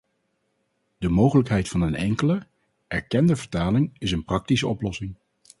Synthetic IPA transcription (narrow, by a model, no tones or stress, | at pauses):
d̥əmowχələkɦɛjtfɑnənɛ̰ŋkələ | ɛɹkɛndəvəɹtaːlɪŋɪsənprɑk̚tisəɔplɔsɪŋ